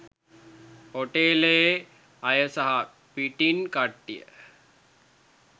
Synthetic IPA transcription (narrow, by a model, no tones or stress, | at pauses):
hoʈeːleje | ɐjəsaɦa | piʈinkaʈːijə̰